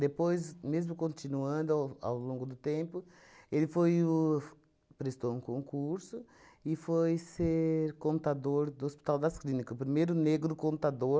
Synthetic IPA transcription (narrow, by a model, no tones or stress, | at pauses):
d̪epojzmezmʊkõnt̪inuɐ̃nd̪ʊawa̰wlõŋɡʊd̪ʊt̪ẽmpʊ | elɪfoj | pɾest̪owũkõŋkuɾsʊ | ɪfojseɾkõnt̪ad̪oɾd̪ʊospi̥t̪awd̪ɐsklĩnikɐʊpɾimejɾʊneɡɾʊkõnt̪ad̪oɾ